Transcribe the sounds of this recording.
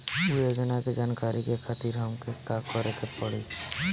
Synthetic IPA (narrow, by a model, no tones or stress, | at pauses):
jod͡ʒənaked͡ʒaːnkaːɾikekʰat̪iɾɦɔmkekakɔɾek̪epɔɽḭ